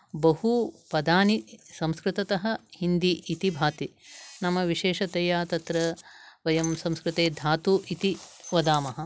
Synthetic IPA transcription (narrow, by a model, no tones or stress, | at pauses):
bɐɦupɐd̪aːnisɐ̃mskɾɪt̪ɐt̪ɐɦɐ̆hind̪iʔːt̪ibʱaːt̪inɐmɐʋiʃeːʃɐt̪ejaːt̪ɐt̪ɾɐʋɐjɐmsɐ̃mskɾɪt̪eːd̪ʱaːt̪uːʔit̪iʋɐd̪aːmɐɦɐ̆